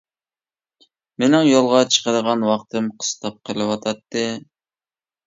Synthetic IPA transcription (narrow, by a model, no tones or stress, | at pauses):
menɪŋjolˠʁɑt͡ʃʰə̥qəɾəʁɑnwɑqt̪ʰɨmqʰə̥st̪ɑp̚qʰəlˠɨwɑt̪ʰɑt̪ːɨ